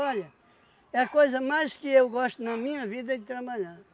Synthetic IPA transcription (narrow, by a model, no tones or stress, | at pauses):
ɔʎɐ | ɛɐkojzɐmajʃkɨewɣɔʃt̪unɐmĩɲɐviðɐd̪t̪ɾɐβɐʎaɾ